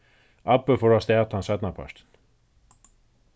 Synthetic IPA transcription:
apːəfɔɹast̪ɛat̪ansɛt̪napʰa̰ʃt̪n

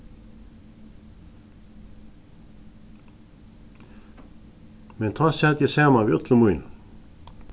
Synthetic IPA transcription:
mɛnt̪ʰasɛt̪jɛsaːmaviœt̪lʏmuːjn

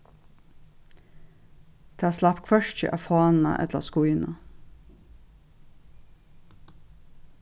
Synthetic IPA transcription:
t̪ʰeːslɑpkʰʋœʃt͡ʃə̰ʔɑfɑːnɑ̰ʔɛ̰t̪lə̰skʊjnɑ

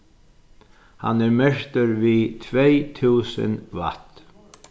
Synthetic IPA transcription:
ha̰nɛɾmɛʂt̪əɾvit̪ʰvejt̪ʰuːsə̰nva̰t̪

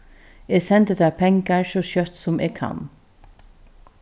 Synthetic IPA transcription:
eːsɛnt̪əd̪æːpʰɛŋkaɹsoːʃœt̪sʊmʔeːɡkʰa̰n

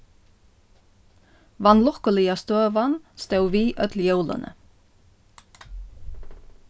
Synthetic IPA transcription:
ʋɑnlɔkəlɪɑst̪øːʋɑnst̪œwʋiːʔœt̪ljəwlə̰nʔə̰

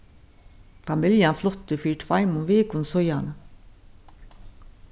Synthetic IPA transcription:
fɑmɪljɑnflɔt̪əfyːʈʰʋɑɪmʊnʋeːkʊnsɔjɑnə

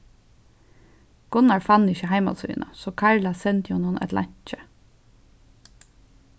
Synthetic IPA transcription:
ɡ̥ʊnɑɹfɑnɪçəhæɪmɑ̰sɪ̰nʔɑ̰soːkʰɑɹlɑsɛnt̪juːnʊnɛ̰t̪lɑ̰ɲt̪c͡çə

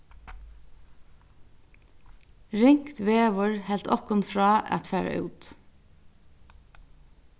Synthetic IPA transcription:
ɹɪŋkt̪ʋeːʋʊɹhɛlt̪ʰɔkʊnfɹɑːʔɑ̰t̪fæːɹa̰ʔʉ̰ːt̪

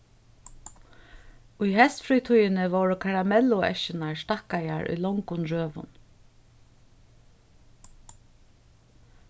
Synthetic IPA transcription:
ʊjɦɛst̪fɾiːt̪ʰujɪnɪʋowɹəkʰaɹamɛlʊʔɛ̰ʃɪnaɹst̪ahkajaɹʔʊ̰jlɔŋkʊnɹøːʋʊ̰n

